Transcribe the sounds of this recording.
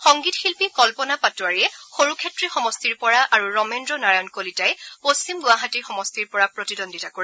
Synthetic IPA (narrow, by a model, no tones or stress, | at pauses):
xɔŋɡitxilpikɔlpɔnapatuaɹiɛxoɹukʰetɹixɔmɔstiɹpɔɹaʔaɹuɹɔmendɹɔnaɹajɔnkolitajpost͡ɕimɡʊaɦatiɹxɔmɔstiɹpɔɹapɹotidondʱitakoɹi